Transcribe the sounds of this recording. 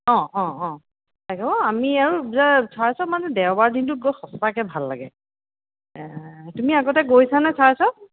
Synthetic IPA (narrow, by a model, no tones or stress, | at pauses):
ɔ̃ɔ̃ɔ̃ | tʰaɡɛbɔamiaɹuzasʰaɹasɔmanɛdɛwbaɹdʱintut̚ɡoxɔstakɛbʱalːa̰ɡɛ | tumiaɡɔtɛɡojsanasʰaɹasɔ